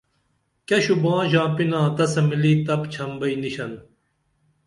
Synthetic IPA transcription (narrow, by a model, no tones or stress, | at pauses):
kɐɕubãːʑãːpinãːt̪ɐsɐmiliːt̪ɐpt͡ɕʰɐmbɐiniɕɐn